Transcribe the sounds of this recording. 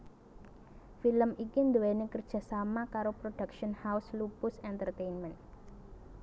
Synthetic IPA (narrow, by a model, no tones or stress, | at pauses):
filəmikind̪uwenekərd̥ʒ̥a̤samakaɾopɾoɖ̥akʃənhawslupʊsɛnt̪ərt̪enmɛn